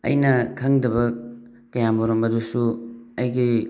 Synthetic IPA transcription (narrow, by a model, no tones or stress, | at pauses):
ɐ̰jnɐkʰaŋdɐβɐ | kɐjamoɾombɐdusuɐjɡi